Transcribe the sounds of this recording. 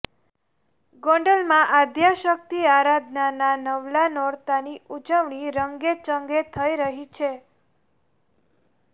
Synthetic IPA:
ɡɔ̃ɳɖəlmãʔad̪ʱjaʃək̚t̪iaɾad̪ʱnananəʋlanɔɽt̪aniʔud͡ʒəʋɳiɾəŋɡet͡ʃəŋɡet̪ʰəiɾəɦit͡ʃʰe

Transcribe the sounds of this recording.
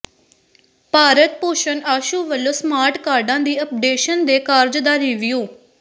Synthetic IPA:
paːɾət̪̚poːʃənaːʃuːʋəlːoːsmaːɾʈkaːɾɖãːd̪iːəp̚ɖeːʃənd̪eːkaːɾd͡ʒd̪aːɾiːʋijuː

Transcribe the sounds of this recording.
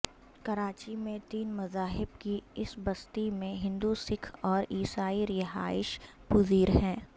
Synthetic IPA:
kɐɾaːt͡ʃimẽt̪iːnmɐzaːɦɪbkiɪsbɐst̪imẽɦɪ̃nd̪usɪkʰɔːɾiːsaːiɾɪɦa̰ːɪʃpʊziːɾɦɛ̃ː

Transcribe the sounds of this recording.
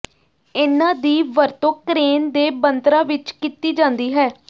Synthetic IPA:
ɪnãːd̪iːʋəɾt̪õːkɾeːnd̪eːbənt̪ɾãːʋɪt͡ʃkiːt̪iːd͡ʒãːnd̪iːɦɛː

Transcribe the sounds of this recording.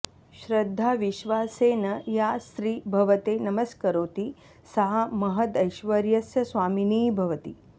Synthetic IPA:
ʃɾɐd̪ʱːaːʋiʃʋaːseːnɐjast̪ɾiːbʱɐʋɐt̪eːnɐmɐskɐɾoːt̪i | sɐɦɐmɐɦɐt̪ɐjʃʋɐɾjɐsjɐsʋaːminiːbʱɐʋɐt̪i

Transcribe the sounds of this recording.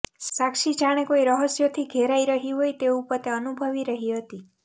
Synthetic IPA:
sakʃid͡ʒaɽ̃ekoiɾəɦəsjot̪ʰiɡʱeɾaiɾəɦiɦojt̪eupət̪eənubʱəʋiɾəɦiɦət̪i

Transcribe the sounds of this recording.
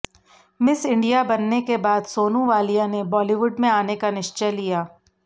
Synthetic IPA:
mɪsɪ̃ɳɖijabɐnːekebaːd̪soːnũʋaːlijãnebɔːliʋʊɖmẽaːnekanɪʃt͡ʃelijaː

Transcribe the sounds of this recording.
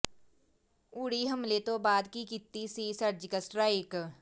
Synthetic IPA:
ʊɽiɦɐmlet̪obaːd̪kikɪt̪ːisisɐɾd͡ʒkəsʈɾaːɪk

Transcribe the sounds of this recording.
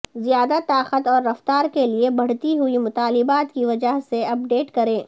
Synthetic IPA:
zijaːd̪at̪aːqət̪ɔːɾːɐft̪aːɾkeliebɐɽ̤t̪iɦʊimʊt̪aːlɪbaːt̪kiʋɐd͡ʒəɦseɐp̚ɖeːʈkɐɾẽː

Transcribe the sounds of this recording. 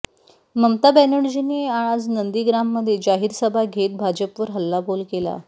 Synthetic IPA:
məmt̪abɛnəɽd͡ʑineaɭad͡znənd̪iɡɾamːəd̪ʱːjed͡ʑaɦiːɾsəbʱaɡʱet̪̚bʱad͡ʑəpʋəɾɦəlːabʱolkela̰

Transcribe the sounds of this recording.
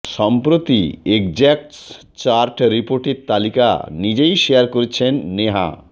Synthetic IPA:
ʃɔmpɾot̪iek̚d͡ʑɛk̚ʈs | t͡ɕaɾʈɾipoɾʈiɾt̪alika̰nid͡ʑejʃeaɾkoɾet͡ɕʰenːeɦa̰

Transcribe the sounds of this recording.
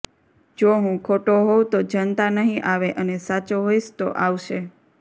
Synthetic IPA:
d͡ʒoɦũkʰoʈoɦowt̪od͡ʒənt̪anəɦĩʔaʋeʔənesat͡ʃoɦoiʃt̪oʔaʋʃe

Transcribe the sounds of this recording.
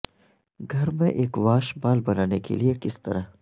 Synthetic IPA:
ɡʱɐɾmẽʔeːkʋaːʃbaːlbɐnaːnekḛliekɪst̪ɐ̰ɾa

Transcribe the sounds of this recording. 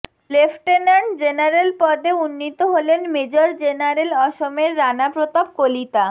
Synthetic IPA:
lefʈenaɳd͡ʑenaɾelpɔd̪eunːit̪oɦolenmed͡ʑoɾd͡ʑenaɾelɔʃomeɾːanapɾot̪ab̚kolit̪a

